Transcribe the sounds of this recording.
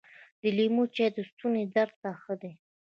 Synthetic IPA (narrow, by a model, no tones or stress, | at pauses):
d̪əlimut͡ʃed̪əst̪uned̪aɾd̪̚taxəd̪e